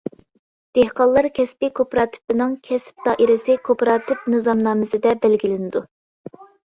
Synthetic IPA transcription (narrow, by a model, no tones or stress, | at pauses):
d̪̥ehqɑlˠːɑɾkʲʰɛspʲɪkʰopɾɑːt̪ʰɪ̥pɪnɪŋkʲʰɛsp̚t̪ɑʔiɾɪsɪkʰopɾɑːt̪ʰɪp̚nɨzɑmnɑːmɪsɪd̪ɛbælɡʲilɪnɪd̪u